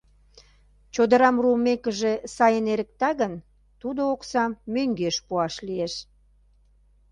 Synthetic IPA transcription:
t͡ɕod̪əɾɑmrumekəʒesɑjəneɾə̆k̚t̪ɑɣən | t̪ud̪ooksɑmːøŋɡeʃpuɑʃlieʃ

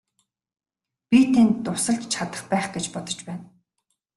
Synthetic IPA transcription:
pʲit̪ʰænt̪ːʊsə̆ɬt͡ɕʰat̪ə̥̆χpæːχɡet͡ɕpɔt̪ɞ̥̆t͡ɕpæːn

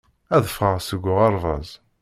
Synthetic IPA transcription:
æðəfʁəʁsəɡʷːʊʁɑɾˤvɑ̰zˤ

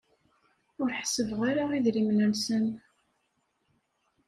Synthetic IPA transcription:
ʊɾħsəvʁaɾaiðɾimnənsən

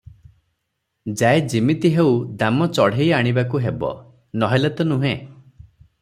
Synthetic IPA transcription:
d͡ʒaed͡ʒimit̪iɦewd̪amɔt͡ʃɔɽ̤ejaɽ̃ibakuɦebɔ̰ | nɔɦelet̪ɔnuɦḛ̃

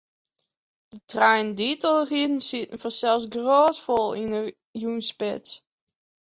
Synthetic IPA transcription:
d̥ətʰrɛjnditəlˠridn̩sɪtən̩fɔsɛlˠsɡroːtfolˠinə | junspɪt

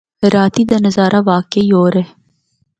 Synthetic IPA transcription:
ɾaːt̪id̪anɐzaːɾʔaʋaːkeioːɾe

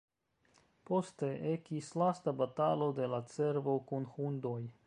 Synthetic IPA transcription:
po̞st̪e̞ʔe̞kislastabat̪alo̞d̪e̞lat͡se̞ɾvo̞kunxund̪oj

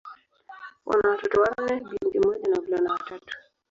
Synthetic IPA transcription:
wʔa̰nawatɔtɔwanɛɓiŋkimɔʄanavulanawatatu̥

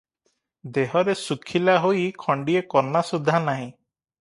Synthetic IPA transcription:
d̪eɦɔɾesukʰilaɦojkʰɔɳɖiekɔɾnasud̪ʱːanaɦĩ

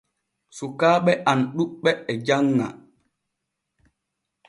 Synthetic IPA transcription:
sukaːɓɛʔanɗuɓɛɛd͡ʒaŋːa̰

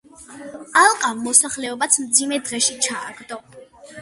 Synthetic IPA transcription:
alˠqʼamːɔsaχlɛɔbat̪sʰmd̪zimɛd̪ʁɛʃit͡ʃʰaːɡd̪ɔ

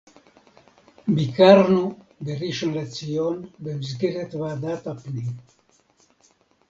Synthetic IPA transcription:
bikaɾnuberiʃonlat͡sionbemz̬ɡiɾet̪βad̪at̪apni

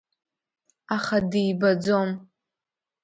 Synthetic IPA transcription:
aχadijbad͡zom

